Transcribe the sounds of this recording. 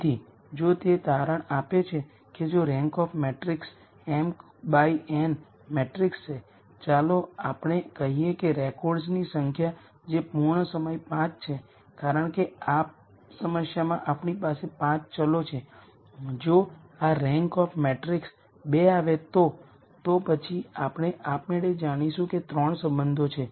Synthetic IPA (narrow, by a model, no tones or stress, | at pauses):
t̪ʰi | d͡ʒot̪et̪aɾəɳapet͡ʃʰe | ked͡ʒoɾɛ̃ŋkɔfʰmeʈɾiks | ɛm | baiɛn | meʈɾikst͡ʃʰe | t͡ʃaloapɳ̃ekəɦiekeɾɛkɔɾɖznisəŋkʰja | d͡ʒepuɾɳ̃əsəməjpãt͡ʃt͡ʃʰe | kaɾəɳ̃keap̚ | səməsjamãʔapɳipasepãt͡ʃt͡ʃəlot͡ʃʰe | d͡ʒo | aɾɛ̃ŋkɔfʰmeʈɾiks | beaʋet̪o | t̪opət͡ʃʰiapɽ̃eʔapneɽed͡ʒaɽ̃iʃũket̪ɾəɳsəmbənd̪ʱot͡ʃʰe